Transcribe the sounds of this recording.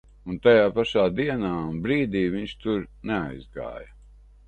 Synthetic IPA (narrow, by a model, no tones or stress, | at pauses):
unt̪ajaːpaʃaːd̪iɛnaːnbɾiːd̪iːviɲʃt̪uɾnea̰jzɡa̰ːjɐ